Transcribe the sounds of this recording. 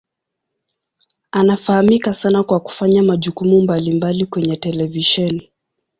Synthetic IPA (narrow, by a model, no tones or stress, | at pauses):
anafahamikasanakwaku̥faɲamaʄukumumbalimbalikwɛɲɛtɛlɛviʃɛni